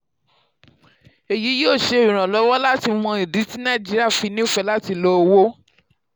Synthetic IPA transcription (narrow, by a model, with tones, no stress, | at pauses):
e˨ji˨˦jo˦˨ʃe˧˦˨ĩ˨ɾ̃ã˨lɔ˨˦wɔ˦la˦ti˧w̃ɔ̃˧i˨di˨˦ti˦nã˦˨d͡ʒi˦ɾi˦a˦˨fi˨˧˦nĩ˦˨fɛ˧la˦ti˧lo˦˧wo˦